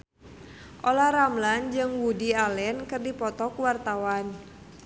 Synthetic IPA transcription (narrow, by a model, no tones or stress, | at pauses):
ʔolaɾamland͡ʒɨŋwudialɛnkɨrdipɔt̪ɔkwart̪awan